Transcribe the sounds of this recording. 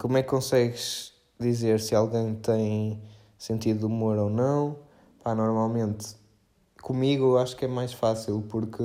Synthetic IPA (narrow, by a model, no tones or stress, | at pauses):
komwɛkːõsɛɣɨʃ | ðizeɾsɨalˠɣẽj̃t̪ɐ̃j̃ | sẽnt̪iðuumoɾonɐ̃w̃ | panɔɾmalˠmẽnt̪ | kumiɣuaʃu̥kɛmajʃfasilˠpuɾkɨ